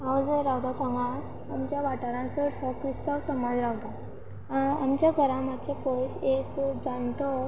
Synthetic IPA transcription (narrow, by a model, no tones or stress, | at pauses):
aʋd͡zəɾawd̪at̪ãŋɡa | amt͡ɕjaʋaʈaɾãnt͡səɽsɔkɾist̪awsəmad͡zɾawd̪a | a̰mt͡ɕjaɡʱəɾãmat͡ɕapəɕekd͡zaɳʈɔ